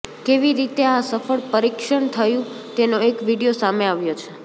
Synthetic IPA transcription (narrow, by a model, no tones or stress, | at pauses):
keʋiɾit̪easəfəɭpəɾikʃəɳt̪ʰəjũ | t̪enoekʋiɽijosameaʋjot͡ʃʰe